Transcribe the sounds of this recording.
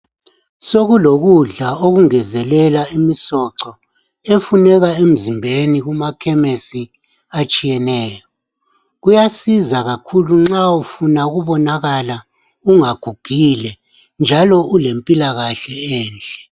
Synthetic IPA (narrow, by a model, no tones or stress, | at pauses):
soɣuloɣuɮaoɣuŋɛzɛlɛlaimisɔǁɔ | efunɛɣaem̩zimbʱeniɣumakʰɛmesi | at͡ʃʼijɛnɛːjɔ | ɣujasizaɣakʰuluŋ͡ǁaufunauɣuβɔnaɣala | uŋaɡ̥ʱuɡ̥ʱilɛ | nd͡ʒʱalɔʔulempʼilaɣaɬɛɛːnd͡ɮʱʼɛ̥